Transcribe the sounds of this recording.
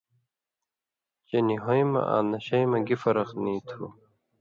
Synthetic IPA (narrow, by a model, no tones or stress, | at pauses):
t͡ɕeniɦojmɐ̰ʔa̰ːnɐɕɐjmɐɡifɐɾɐqniːt̪ʰu